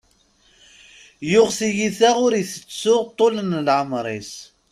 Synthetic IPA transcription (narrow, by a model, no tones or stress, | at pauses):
jʊʁsijiθæʁʊɾiθə̥t͡sːʊʁt̪ˤːolənlʕəmɾˤis